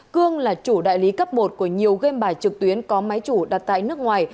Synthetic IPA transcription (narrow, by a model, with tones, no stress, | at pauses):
kɨ˧əŋlaː˨˩t͡ɕu˧˩ɗa̰ː˧˨jli˨˦kə˦˥p̚mo˨˩t̚ku˧˩əɲi˨˩əwɣe˧mɓaː˧˩jt͡ɕɨ˨˩k̚t̪wi˨˦ənkɔ˨˦ma˨˦jt͡ɕu˧˩ɗa˨˩t̚t̪a̰ː˧˨jnɨ˦˥ək̚ŋwaː˨˩j